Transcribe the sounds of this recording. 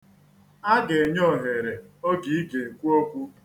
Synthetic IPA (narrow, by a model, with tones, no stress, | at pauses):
a˦ɡe˨e˨ɲo˦˨ɦe˨ɾe˨o˦ɡi˨i˦ɡe˨kʷu˦o˦kʷu˦